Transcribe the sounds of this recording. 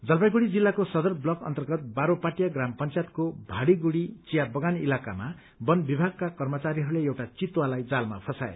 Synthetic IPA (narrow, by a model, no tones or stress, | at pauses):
d͡zʌlbajɡuɽid͡zilːakosʌd̪ʌrblʌkʌ̰nt̪ʌrɡʌt̪̚baɾopaʈijaɡrampʌnt͡sjat̪̚kobʱaɽiɡuɽit͡sijabʌɡanilaka̰ma | bʌnbibʱaɡ̚kakʌrmʌt͡saɾiɦʌɾuleewʈat͡sit̪walajd͡zalmapʰʌsaḛ